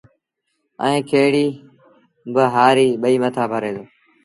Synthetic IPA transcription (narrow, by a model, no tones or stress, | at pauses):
ə̰̃ĩːkʰeːɽiː | bəɦaːɾiːɓəiːmət̪ʰaːbʱəɾẽːd̪oː